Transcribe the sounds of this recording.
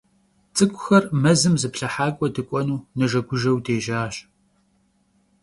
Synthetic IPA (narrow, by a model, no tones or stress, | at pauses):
t͡sʼɨkʷʼʊxɐrmɐzɨmzɨpɬɐħaːkʷʼɔdɨkʷʼɔnuːnɐʒɐɡʷʊʒɐwdeːʒaːɕ